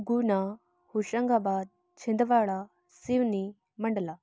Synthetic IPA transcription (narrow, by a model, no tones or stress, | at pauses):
ɡuna | huɕəŋɡabaːd̪̚ | t͡ɕʰind̪ʋaɭa | siʋni | məɳɖla